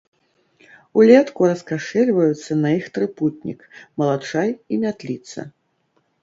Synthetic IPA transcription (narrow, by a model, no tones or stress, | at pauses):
ulʲɛt̪kuɾɐskaʂɛlʲvɐjut̪sːɐnɐixt̪ɾɨput̪̚ʲnʲḭkmɐlˠat͡ʂajimʲat̪lʲit̪sɐ̰